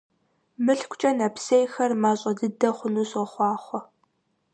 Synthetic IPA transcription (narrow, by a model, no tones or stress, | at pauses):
mɨɬkʷʰʼt͡ʃʼɐnɐpsejxɐrmaːɕʼɐdɨdɐχʷʊnuːɕʼɐχʷɑːχʷɔ